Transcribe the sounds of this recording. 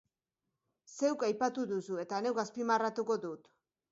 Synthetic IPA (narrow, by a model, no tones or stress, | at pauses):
se̞wkajpat̪uðusue̞t̪ane̞wɡaspimarat̪uko̞ðut̪